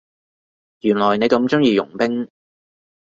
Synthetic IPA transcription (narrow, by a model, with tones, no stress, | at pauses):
jyː˨˩nlɔː˨˩jne˨˧jkɐ˨˧mt͡sʊ˥ŋjiː˧jʊ˨˩ŋpɪ˥ŋ